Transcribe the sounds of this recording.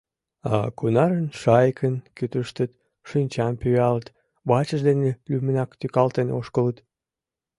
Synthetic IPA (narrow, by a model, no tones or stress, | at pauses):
ɑ̰kunɑɾənʃɑjkʰənkyt̪əʃt̪ət̪ | ʃinʲt͡ɕɑmpyɑlət̪ | βɑt͡ɕəʒd̪enelymənɑkt̪ykɑlt̪enoʃkələt̪